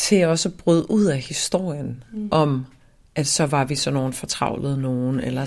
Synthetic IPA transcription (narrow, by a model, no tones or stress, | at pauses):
sʰe̝ɒ̽səb̥ʁyð̞ˠʔuð̞̰ˠæhisd̥o̝ɐ̰jənʔɒ̽m | ʔæd̥sɒ̽ʋɑ̈ʋisɒ̽no̝ːn̩fɒ̽t͡sʰʁɑ̈ʊləð̞̩ˠno̝ːn̩elɐ